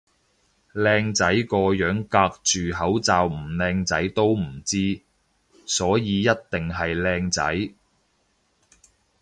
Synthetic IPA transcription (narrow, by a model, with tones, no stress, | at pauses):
lɛː˧ŋt͡sɐ˨˥jkɔː˧jœː˨˥ŋkaː˧k̚t͡ʃyː˨ɦɐ˨˥wt͡saː˨wm̩˨˩lɛː˧ŋt͡sɐ˨˥jt̪o˥wm̩˨˩t͡siː˥ | sɔː˨˥jiː˨˧jɐ˥t̚t̪ɪ˨ŋɦɐ˨jlɛː˧ŋt͡sɐ̰˨˥j